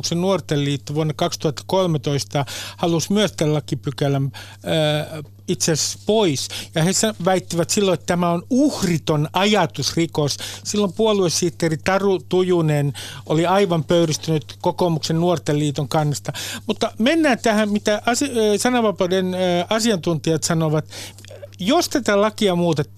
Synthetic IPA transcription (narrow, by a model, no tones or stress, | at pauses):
ksennuort̪elliːt̪ːoʋuonːɑkɑkst̪uhɑt̪ːɑ̥kolmet̪oist̪ɑhɑlusmyøst̪ællɑkːipykælæmː | it̪sesespoisjɑhesɑʋæit̪ːiʋæt̪silːoet̪t̪æmæonuhrit̪onɑjɑt̪usrikossilːompuoluessiːt̪ːerit̪ɑrut̪ujunenʔoliɑiʋɑmpøyrist̪ynyt̪kokomuksennuɔrt̪elliːt̪oŋkɑnːɑst̪ɑmut̪ːɑmenːæːnt̪æhæmmit̪æʔɑsisɑnɑʋɑpɑdenɑsiɑnt̪unt̪iɑt̪sɑnoʋɑt̪ | jost̪æt̪ælɑkiɑmuːt̪et̪ː